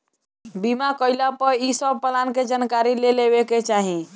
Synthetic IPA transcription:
bimakəɪlapəɾisəb̚pəlanked͡ʒankaɾilelebeket͡ʃaɦi

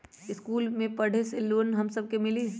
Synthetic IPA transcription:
ɪskuːlmẽpɐɽ̤eseluɾnɦɐmsɐb̚kemɪli

